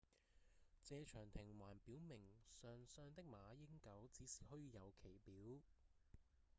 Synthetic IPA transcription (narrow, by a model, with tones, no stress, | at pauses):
t͡sɛː˧t͡ʃʰœː˨˩ŋt̪ʰɪ˨˩ŋwaː˨˩npiː˨˥wmɪ˨˩ŋsœː˧ŋsœː˧ŋt̪ɪ˥k̚maː˨˧jɪ˥ŋkɐ˨˥wt͡siː˨˥si̥ː˨˩hɔː˥jiː˧jɐ˨˧wkʰe˨˩jpiː˨˥w